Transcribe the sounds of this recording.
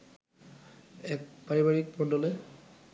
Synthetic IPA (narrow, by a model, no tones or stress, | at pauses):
ɛk̚paɹibaɹik̚pɔndɔle